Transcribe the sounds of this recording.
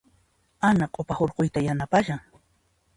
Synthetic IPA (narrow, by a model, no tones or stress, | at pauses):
anaqʼopahoɾqojt̪ajanapaʃaŋ